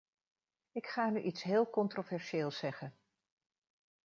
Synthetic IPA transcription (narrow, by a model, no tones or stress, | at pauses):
ɪkχaːnyʔitsɦɪːlˠkɔntrovɛɹʃeːlˠsɛχən